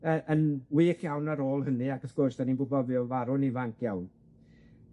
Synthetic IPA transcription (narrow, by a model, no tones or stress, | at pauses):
əːʔənwiːkʰjawnaɾoːlˠhənɨakəθɡ̥oːsd̥aninbʊbɔvjɔvaɾʊnivaŋkʰjawn